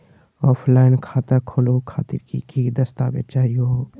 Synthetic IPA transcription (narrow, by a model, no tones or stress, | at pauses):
ɔːfʰlaːɪnkʰaːt̪akʰolokʰa̰ːt̪ɪ̰ɾkḭkiːd̪ɐst̪abḛt͡ʃaːjo